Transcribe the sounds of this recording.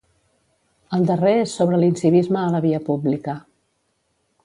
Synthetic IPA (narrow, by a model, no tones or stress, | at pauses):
əlˠd̪əreesːoβ̞ɾəlinsiβizməːləβiəpublikə